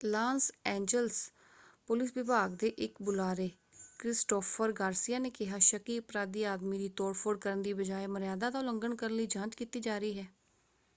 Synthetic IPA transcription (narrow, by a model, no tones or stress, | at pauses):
laːnsɛ̃ːɲd͡ʒəls | pʊlɪsʋɪbʱaːɡd̪eːʔɪkbʊlaːɾeː | kɾɪsʈoːpʰəɾɡaːɾsijaːneːkɪɦaːʃəkiːəpɾaːd̪ːiːaːd̪miːd̪iːt̪oːɾpʰoːɽkəɾənd̪iːbəd͡ʒaːeːməɾjaːd̪aːd̪aːləŋɡəɳkəɾənləiːd͡ʒãːt͡ʃkit̪iːd͡ʒaːɾəiːɦɛː